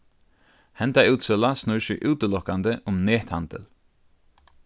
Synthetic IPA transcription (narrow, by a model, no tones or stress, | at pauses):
hɛnt̪aʉːt̪sɛlasnʊɹʃʏʔʉːt̪əlɔkand̪əʔʊmneːt̪hand̪ə̰l